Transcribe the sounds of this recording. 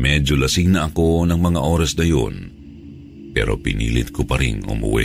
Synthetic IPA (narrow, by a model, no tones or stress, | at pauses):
mɛd͡ʒolɐsɪŋnɐʔɐko̞nɐŋmɐŋaʔo̞ːɾɐsnɐjo̰n | pɛ̰ːɾo̰pɪnḭːlɪt̪̚kopɐɾɪŋʊ̰mʊ̰wɛ̰